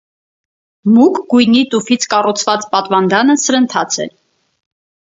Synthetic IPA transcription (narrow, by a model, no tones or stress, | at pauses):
mukɡujnit̪ufit͡sʰkɑrut͡sʰvɑt͡spɑt̪vɑnd̪ɑnəsəɾənt̪ʰɑt͡sʰɛ̰l